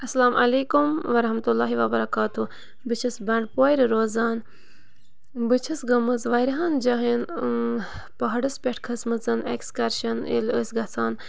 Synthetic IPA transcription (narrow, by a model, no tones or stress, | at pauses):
ɐsɐlaːmʔɐleːkumʋɐɾɐɦmɐt̪ulːaːɦiʋɐbɐɾɐkaːt̪u | bɨt͡ʃʰisbɐɳɖpoːjɾɾoːzaːn | bɨt͡ʃʰisɡɐmɨzʋɐjɾɦaːnd͡ʒɐɦin | pɐɦɐɖɨspʲeʈʰkʰɐsmɐt͡sɨnḛkskɐɾʃɐnḭlə̰sɡɐt͡sʰaːn